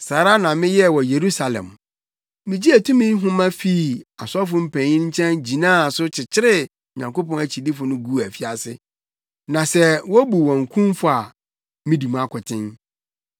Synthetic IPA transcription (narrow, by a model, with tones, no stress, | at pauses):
saː˨ɾa˦nã˨mɪ̃˦jɛ˦˨wɔ˨je˨ɾu˦sa˨lɛ̰̃˨m | mɪ̃˨d͡ʑi˦æ˨tʰũ˦mĩ˦n˦ɦʊ̃˦mã˦fi˦˨a˨sɔ˦f̬ʊ˨m̩˦˨pʰæ̃˨ɲĩ˦ɲ̩˦t͡ɕʰɛ̃˦nd͡ʑi˨nãː˦˨sʊ˦t͡ɕʰɪ˨t͡ɕʰɪ˦ɾɪ˦˨ | ɲã˨ŋko˦pɔ̃˦næ˨t͡ɕʰi˨di˦fʊ˨nʊ̃˦ɡu˦˨æ˨fi˦a˨sɪ̰˦ | nã˨sɛ˦wɔ˦bu˨wɔ̃˨ŋ˨kʰũ˦mfʊ˨a˨ | mɪ̃˦di˨mũ˦a˦kʰʊ˨tʰɪ̃˦n